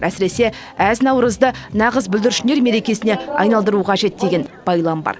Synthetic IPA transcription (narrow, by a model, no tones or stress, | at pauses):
ʔæsɪɾe̞se̞ | æznɑwɾəzd̪ənɑʁəzbʏld̪ɪɾʃɪne̞ɾme̞ɾe̞kʲe̞sɪne̞ɑ̰jnɑlˠd̪əɾuqʰɑʒe̞t̪̚d̪e̞ɡʲe̞nb̥ɑjlˠɑmbɑ̰ɾ